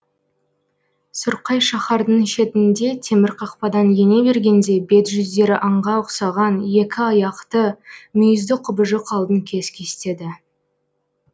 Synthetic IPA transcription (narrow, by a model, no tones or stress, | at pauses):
sʊɾqɑjʃɑχɑɾd̪əɴʃe̞t̪ɪnd̪e̞t̪ʰe̞mɪɾqʰɑqpɑd̪ɑnje̞ne̞be̞ɾɡʲe̞nd̪e̞be̞t̪ʒʏzd̪e̞ɾɪʔɑɴʁɑʊqsɑʁɑnje̞kʲɪɑjɑqt̪əmʏjɪzd̪ɪqʰʊbəʒəqʰɑlˠd̪əŋkʲʰe̞skʲʰe̞st̪e̞d̪ɪ